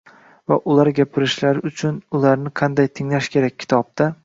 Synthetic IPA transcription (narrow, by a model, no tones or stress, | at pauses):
vaʔʊlˠaɾɡʲapʰɪɾɪʃlaɾɪʊt͡ʃʰʊnʊlˠaɾnɪqʰɑnd̪ajt̪ʰɪŋlaʃkʲʰe̞ɾak̚ʲʰːɪ̥t̪ʰɒb̚d̪a